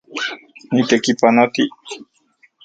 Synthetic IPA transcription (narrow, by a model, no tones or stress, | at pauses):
nit̪ekipanot̪i